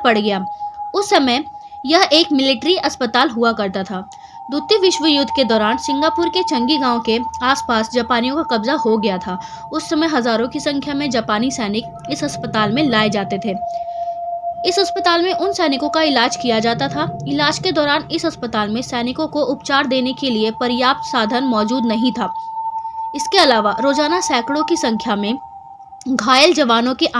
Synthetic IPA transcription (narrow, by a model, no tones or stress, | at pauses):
pɐɽɡɐjaːʊsːɐməj | jɐɦʔeːkmɪlɪʈɾiʔɐspət̪aːlɦuakɐɾt̪at̪ʰaː | d̪ʊt̪jəʋɪʃʋəjʊd̪ʱːked̪ɔːɾaːnsɪ̃ŋɡaːpʊːɾket͡ʃɐ̃ŋɡiɡãːõkeaːspaːsd͡ʒaːpaːnijõkakɐbzaɦoɡɐjat̪ʰaː | ʊsːɐməjɦɐzaːɾõkisɐ̃ŋkʰjamẽd͡ʒaːpaːnisɛːnɪk | ɪsɐspət̪aːlmẽlaːed͡ʒaːt̪et̪ʰeː | ɪsɦɐspət̪aːlmẽʔʊnsɛːnɪkõkaɪlaːd͡ʒkijad͡ʒaːt̪at̪ʰaɪlaːd͡ʒked̪ɔːɾaːnɪsɦɐspət̪aːlmẽsɛːnɪkõkoʔʊpt͡ʃaːɾd̪eːnekeliepɐɾɪjaːp̚t̪saːd̪ʱənmɔːd͡ʒuːd̪nɐɦĩt̪ʰaː | ɪskeɐlaːʋaɾoːzaːnasɛːkɽõkisɐ̃ŋkʰjamẽ | ɡʱaːjəld͡ʒɐʋaːnõkeʔ